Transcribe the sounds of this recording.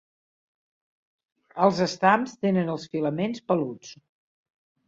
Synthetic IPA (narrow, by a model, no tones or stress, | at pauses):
əlˠzəst̪amst̪enənəlˠsfiləmenspəlut͡s